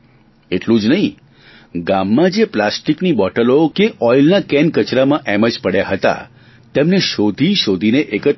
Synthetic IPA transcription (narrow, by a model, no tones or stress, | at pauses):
eʈlũd͡ʒnəɦĩ | ɡamːãd͡ʒeplasʈiknibɔʈəlokeʔɔjlnakɛnkət͡ʃɾamãʔɛməd͡ʒpəɽjaɦət̪a̰ | t̪emneʃod̪ʱiʃod̪ʱineʔekət̪